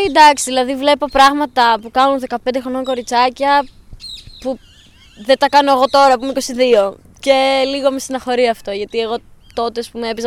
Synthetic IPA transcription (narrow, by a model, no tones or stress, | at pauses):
d̪ɐksiðilɐðivle̞po̞pɾɐɣmɐt̪ɐpukɐnunðe̞kɐpend̪e̞xɾo̞no̞ŋko̞ɾit͡sɐcɐ | pu | ðet̪ɐkɐno̞eɣo̞t̪o̞ɾɐpumeiko̞siðio̞ | ce̞liɣomest̪inɐxo̞ɾiɐft̪o̞ʝɐt̪ie̞ɣo̞t̪o̞t̪eɐspumeepiz